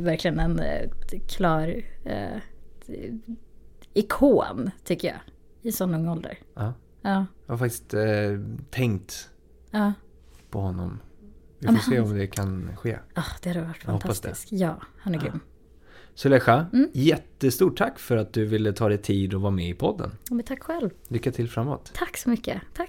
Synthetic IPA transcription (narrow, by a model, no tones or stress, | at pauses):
væɾklɪɡənɛnkʰlɑːɾ̰ | ɪkʰoːnt̪ʰʏkːəjɑ̰ː | ɪsɔnːɵŋːɔld̪ə̰ɾɑː | ɑːjhaɾfak̚t̪ɪ̥st̪ | t̪ʰːɛŋkt̪ | ɑː | pʰɔhɔnːɔ̰mvɪfoːseːɔmd̪ɛkʰanɧeːɑːd̪̥ɛhad̪əvaʈːfahɔapːasd̪ɛ̰skjɑːhanæɡɾʏ̰mː | sɔlɛɧajɛt̪ːəst̪uːʈʈʰːakːfœɾat̪̚d̪ɵvɪlːət̪ʰɑːd̪ɛt̪ʰiːd̪ɔvɑːmɛɪpʰɔd̪ːə̰namɛnt̪ʰakːɧɛlv | lʏkːat̪ʰɪlfɾamːo̰ːt̪t̪ʰakːsɔmʏkːət̪ʰa